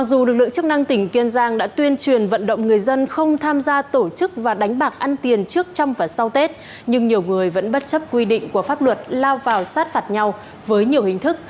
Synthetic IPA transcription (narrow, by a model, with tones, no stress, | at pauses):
ma˨˩k̚zu˨˩lɨ˨˩k̚lɨ̰˧˨ŋt͡ɕɨ˦˥ək̚na˧ŋt̪ï˧˩ŋ̟ki˧ənzaː˧ŋɗa̰ː˧˥t̪wi˧ənt͡ɕwi˨˩ənvə̰˧˨nɗə̰˧˨wŋ͡mŋɨ˨˩əjzə˧nxə˧wŋ͡mt̪ʰaː˧mzaː˧t̪o˧˩t͡ɕɨ˦˥k̚vaː˨˩ɗa˨˦jŋ̟ɓaː˨˩k̚ʔa˧nt̪i˨˩ənt͡ɕɨ˦˥ək̚t͡ɕɔ˧wŋ͡mvaː˨˩sa˧wt̪e˦˥t̚ | ɲɨ˧ŋɲi˨˩əwŋɨ˨˩əjvə̰˧˥nɓə˦˥t̚t͡ɕə˦˥p̚kwi˧ɗḭ̈˧˨ŋ̟ku˧˩əfaː˦˥p̚lwə˨˩t̚laː˧wvaː˨˩wsaː˦˥t̚faː˨˩t̚ɲa˧w | vəː˨˦jɲi˨˩əwhï˨˩ŋ̟t̪ʰɨ˦˥k̚